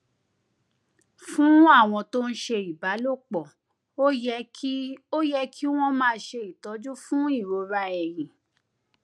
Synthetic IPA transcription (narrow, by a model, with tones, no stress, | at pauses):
fũ˦a˦˨w̃ɔ̃˧to˦n̩˦ʃe˧i˨ba˨˦lo˦˨k͡pɔ˨ | o˦jɛ˧˦ | o˦jɛ˧kʰi˦w̃ɔ̃˦mãː˦˧˦ʃe˧i˨tɔ˨˦d͡ʒu˦fũ˦i˦˨ɾo˧ɾa˧ɛ˨j̃ĩ˨